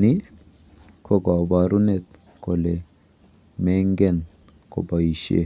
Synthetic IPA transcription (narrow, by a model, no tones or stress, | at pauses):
ni | kʰoɡabaɾunet̪ | kʰole | meŋɡen | ko̰baiʃḛ